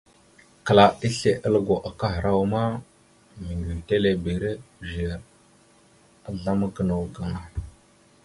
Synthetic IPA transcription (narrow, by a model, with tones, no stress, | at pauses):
kə˨la˨i˦ɬe˨ʔə˦lə˦ɡo˨ʔa˨ka˦ɦə˨ɾa˦wma˦ | mi˨ŋɡi˨te˦le˨bi˨ɾe˦˨vi˨ɾ | a˨ɮa˦ma˦ɡə˦˨na˨wɡa˨ŋa˨